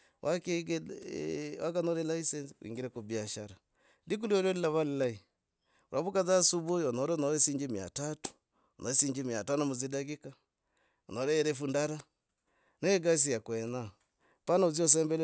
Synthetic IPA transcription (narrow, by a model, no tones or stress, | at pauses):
wʔakeɡ | wakanɔɾɛlaisɛnsiwḭŋɡiɾɛkobiaʃaɾa | ndik̬ulioɾolilaβalilai | uɾʔaβukazasuβojɔnɔɾɛnɔɾɛsiɲd͡ʒima̰tatu̥ | ɔnɔesiɲd͡ʒimiatanamuzidaɡika | ɔnɔɾɛːɾefundaɾa | naeɡas̬ijakwɛna | panauziɔs̬ɛmbɛl